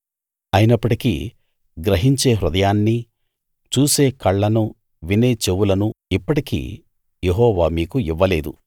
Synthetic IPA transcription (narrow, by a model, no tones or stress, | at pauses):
ɐjinɐpːɐʈikḭː | ɡɾɐɦiɲt͡ʃe̞ːɦɾud̪ɐjaːnːi | t͡ʃuːse̞ːkɐɭːɐnu | ʋine̞ːt͡ʃe̞wulɐnuipːɐʈikḭ | je̞ɦɔːʋaːmiːkuiʋːɐle̞ːd̪ṵ